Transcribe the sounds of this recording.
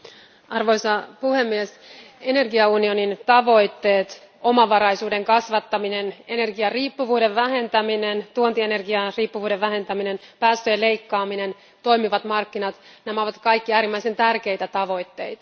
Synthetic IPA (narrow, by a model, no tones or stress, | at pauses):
ɑrʋo̞jsɑpuhe̞mːies | e̞ne̞rɡiɑunio̞nint̪ɑʋo̞jt̪ːeːt̪ | o̞mɑʋɑɾɑjsuːde̞ŋkɑsʋɑt̪ːɑminene̞ne̞rɡiɑriːpːuʋuːde̞ʋʋæɦe̞nt̪æminent̪uont̪ie̞ne̞rɡiɑriːpːuʋuːde̞ʋʋæɦe̞nt̪æmine̞npæːst̪øjele̞jkːɑːmine̞n | t̪o̞jmiʋɑt̪mɑrkːinɑt̪næmæoʋɑt̪kɑjkːiæːɾimːæise̞nt̪ærk̟e̞jt̪æt̪ɑʋo̞jt̪ːe̞jt̪ɑ̥